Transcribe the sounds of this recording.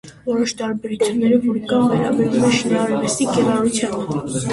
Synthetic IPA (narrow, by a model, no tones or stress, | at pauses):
vɔɾɔʃt̪ɑɾbɛɾut͡sʰjunːɛɾəvɔɾkɑnvɛɾɑ̰bɛɾvumɛʃənɑɾɛvəst̪ikɛrɑɾut͡sʰjɑn